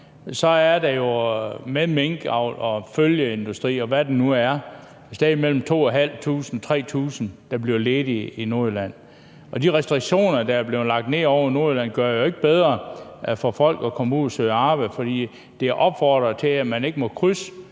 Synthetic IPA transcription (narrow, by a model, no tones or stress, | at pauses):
sɒ̽æɐd̥æjo̝meðmeŋɡ̥ɑʊ̰lɒ̽føljəe̝nd̥usd̥ʁḭːɒ̽ʋæd̥enuæɐ | sd̥ɛðˠimel̰m̩t͡sʰo̝̰ːæɦæl̰t͡sʰṵːsn̩t͡sʰʁɛ̰ːt͡sʰṵːsn̩d̥ɑ̈b̥liɐleːdiino̝ɐilæn̰ | ʔɒ̽d̥iʁɛsd̥ʁiɡ̥ɕo̝̰ːnɐd̥ææɐb̥le̝ʊlɑ̈ɡ̥̚d̥ne̝̰ːɒʊ̰ɐino̝ɐilæn̰ɡ̥ɶɐjo̝e̝ɡ̥əb̥eð̞ˠʁɐfɒ̽fɒ̽l̰ɡ̥ɒkʰɒmuð̰ˠæsøːɑ̈ːb̥fɒ̽d̥ḭː | d̥e̝æɐʔɒ̽b̥fɒːd̥ʁɐt͡sʰe̝æmæne̝ɡ̥əmɒ̽kʰʁysə